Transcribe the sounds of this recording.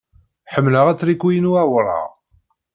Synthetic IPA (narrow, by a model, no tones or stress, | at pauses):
ħəmːləʁæt͡sːɾikːijənuæwɾˤɑ̰ʁ